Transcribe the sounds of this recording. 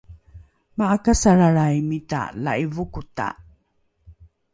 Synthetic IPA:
maakasaɾaɾajmita̰la̰ivukuta̰

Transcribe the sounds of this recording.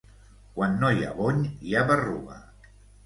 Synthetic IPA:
kwanːoja̰βoɲjaβərṵβa̰

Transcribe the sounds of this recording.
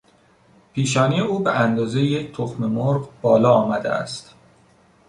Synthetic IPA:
pʰiːʃ̬ɒːnijeuːbeʔænd̪ɒːzeject̪ʰoxmemoɾɢbɒːlɒːɒːmæd̪eʔæ̰st̪

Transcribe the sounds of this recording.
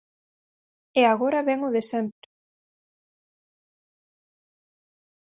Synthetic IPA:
eaɣ̞oɾɐβɛŋʊðesɛmpɾʊ

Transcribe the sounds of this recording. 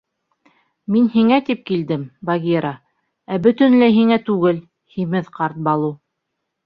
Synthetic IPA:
minhiŋæt̪ip̚kild̪ɘmbɑɡʲiɾɑ | æbɵ̆t̪ɵ̆nlæɦiŋæt̪ʉɡɘl | himɘðqɑɾt̪̚bɑlˠu

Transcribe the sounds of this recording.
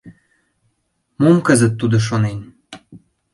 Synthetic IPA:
momkəzət̪ːud̪oʃ̬onen

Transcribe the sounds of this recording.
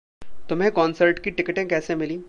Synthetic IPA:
t̪ʊmɦẽkɔːnsəɾʈkiʈɪkʈẽkɛːsemɪlĩː

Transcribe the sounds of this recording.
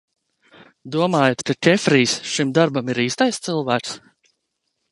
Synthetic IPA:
d̪uɔmaːjat̪kakʲɛfɾiːsʃimd̪aɾbamiɾiːst̪ajst̪sɨlˠvæːks

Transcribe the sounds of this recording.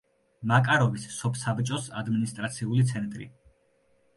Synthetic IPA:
makʼaɾɔvisːɔpʰsabt͡ʃʼɔsa̰d̪minist̪ʼɾat̪sʰiulit̪sʰɛnt̪ʼɾḭ

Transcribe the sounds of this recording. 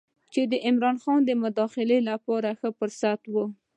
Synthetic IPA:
t͡ʃed̪əʔɪmɾɑnxɑnd̪əmʊd̪ɑxɪlelapɑɾaxəpəɾsat̪wə

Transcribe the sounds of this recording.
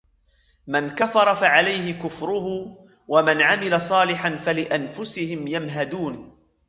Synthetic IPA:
mankafɑɾˤɑfaʕalajhɪkʊfɾʊɦʊ | wamanʕamɪlasˤɑːlɪħanfalɪʔanfʊsɪhɪmjamɦad̪uːn

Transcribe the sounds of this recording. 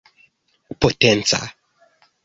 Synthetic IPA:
potɛnsa̰

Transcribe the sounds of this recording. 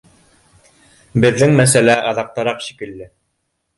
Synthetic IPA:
bɘ̆ðːɘŋmæsælæʔɑðɑq̚t̪ɑɾɑqʃi̥kɘ̆lːɘ

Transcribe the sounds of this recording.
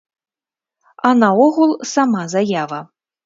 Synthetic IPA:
anaɔɣulˠsamazajavɐ

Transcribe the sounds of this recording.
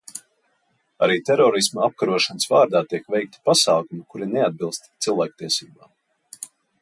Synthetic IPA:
aɾiːt̪ɛɾɔːɾismaap̚kaɾuɔʃanəsvaːɾd̪aːt̪iɛkvɛjk̚t̪i̥pasaːkumukuɾinɛad̪̚bilˠst̪t̪silˠvæːk̚t̪iɛsiːbaː

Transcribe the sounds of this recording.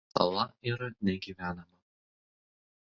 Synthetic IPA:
t̪ɐ̰lˠɐiɾɐnʲɛɡʲiːʋʲæːnɐmɐ

